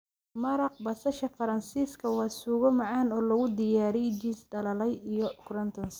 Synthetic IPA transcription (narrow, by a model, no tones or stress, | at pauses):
mɐɾɑq̚bɐsɐʃɐfɐɾɐnsiːskʰɐwɑːsuːɣɔmɑʕɑːnɔːlɐɣʊd̪ɪjaːɾɛjd͡ʒiːsɖɐlɐlɛjijɔkɾɐnt̪ʰɔns